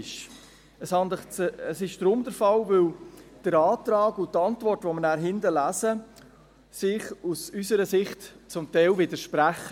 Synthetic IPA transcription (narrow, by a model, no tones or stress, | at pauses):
ʃ | əshɑnd̪əχt͡səsɪʃd̪̥ɾʊmd̪əɾfɑlvɪld̥əɾɑːtɾɑːɡʊtːɑntvɔrtʋɔmənæːɾɦɪndəlæːsə | sɪχusysəɾəsɪχt | t͡sʊmtɛɪlvɪdəɾʃpɾæχə